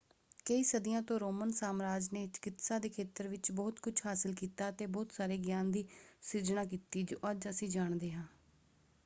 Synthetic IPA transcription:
kəiːsəd̪ɪjãːt̪õːɾoːmənsaːmɾaːd͡ʒneːt͡ʃɪ̥kɪt̪sãːd̪eːkʰeːt̪əɾʋɪt͡ʃbɔːt̪kʊt͡ʃʰhaːsɪlkiːt̪aːt̪eːbɔːt̪saːɾeːɡjaːnd̪iːsɪd͡ʒnaːk̬iːt̪iːd͡ʒoːʔəd͡ʒəsĩːd͡ʒaːɳd̪eːɦãː

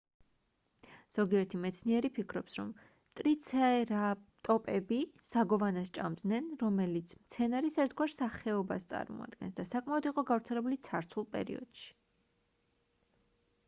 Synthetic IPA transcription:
z̥ɔɡiɛɾt̪ʰimɛt̪sʰniɛɾipʰikʰɾɔpsɾɔ̰m | t̪ʼɾit̪sʰaɾat̪ʼɔpʼɛbisaɡɔvanast͡ʃʼamd̪nɛnɾɔmɛlit̪sʰmt̪sʰɛnaɾisɛɾt̪ʰɡwaɾsaχɛɔbast̪sʼa̰ɾmɔ̰a̰d̪ɡɛ̰nsd̪asakʼmaɔd̪iqʼɔɡavɾt̪sʰɛlɛbulit̪sʰaɾt̪sʰulˠpʼɛ̰ɾḭɔ̰d̪̥ʃi̥

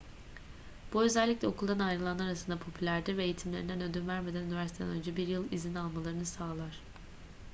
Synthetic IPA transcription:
b̥uø̞zælʲːiclʲɛo̞kʰulˠd̪anajɾɯlˠanˠaɾasɯnd̪apʰo̞pʰylʲæɾd̪iɾvɛːjit̪ʰimlʲeɾind̪ænø̞d̪ynvæɾme̞d̪ænynivæɾst̪ʰed̪æ̰nønd͡ʒɛbiɾjɯlˠizinalˠmalˠaɾɯnɯsaːlˠaɾ̝̥

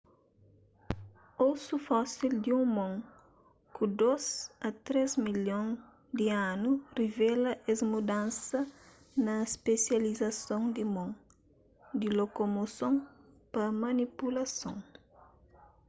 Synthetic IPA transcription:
osufɔsild̪iũŋmõŋ | kʰud̪ozɐt̪ɾezmiljõŋ | d̪ianurivɛlɐʔɛzmud̪ãnsɐ | nɐspesjɐlizɐsõŋd̪imõŋ | d̪ilokomosõŋ | pɐmɐnipulɐsõ̰ŋ

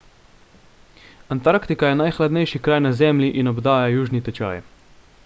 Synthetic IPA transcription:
ant̪aɾkt̪ikajɛnajxlad̪nɛjʃikɾaːjnazɛmlʲiʔinɔbd̪aːjajuːʒnit̪ɛt͡ʃa̰ːj

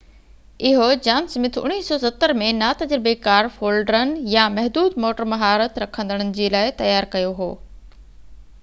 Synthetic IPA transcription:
ɪɦod͡ʑaːmsɐmɪt̪ʰʊ̰nːiːsɔːsɐt̪ːəɾmẽnaːt̪ɐd͡ʑɾɪbekaːɾfoːlɖɾənɪ̆jamɛɦd̪uːd̪moːʈəɾmɐɦaːɾət̪ɾɐkʰə̃nd̪əɽ̃ənɪ̆d͡ʑeːlaːɪt̪ɐjaːɾkɐjoɦo̰ː

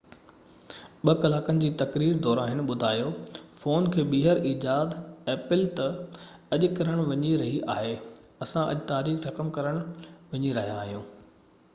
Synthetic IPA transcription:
ɓɐkɐlaːkənɪ̆d͡ʑiːt̪ɐkɾiːɾd̪ɔːɾaːɦɪnɪ̆ɓʊd̪ʱaːjofoːnkʰeːɓiɦəɾiːd͡ʑaːd̪ɛːpɪlt̪ɐ | ɐʄʊkɐɾəɽ̃ʋɐɲiɾɐɦiʔaːɦe | ɐsãʔɐ̰ʄɪt̪aːɾiːxɾɐkəmkɐɾəɽ̃ʋɐɲiɾɐɦijãːɦijũː

